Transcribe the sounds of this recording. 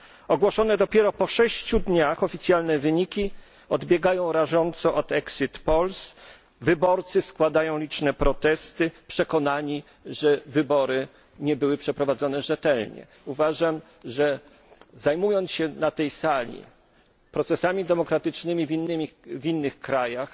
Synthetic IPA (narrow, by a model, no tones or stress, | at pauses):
ɔɡwɔʂɔnɛd̪ɔpʲjɛɾɔpɔʂɛɕt͡ɕud̪ɲaxɔfʲit̪sʲjalnɛvɘɲikʲi | ɔd̪bʲjɛɡajɔ̃w̃ɾaʐɔnt̪sɔʔɔt̪ɛksɨt̪pɔls | vɘbɔɾt̪sɘskwad̪ajɔ̃w̃lʲit͡ʂnɛpɾɔt̪ɛst̪ɘpʂɛkɔnaɲi | ʐɛvɘbɔɾɘ | ɲɛbɘwɘpʂɛpɾɔvad̪zɔnɛʐɛt̪ɛlɲɛ̰ | uvaʐam | ʐɛ | zajmujɔnt̪ɕɛnat̪ɛjsalʲḭ | pɾɔt̪sɛsamʲid̪ɛmɔkɾat̪ɘt͡ʂnɘmʲivʲinːɘmʲivinːɘxkɾajax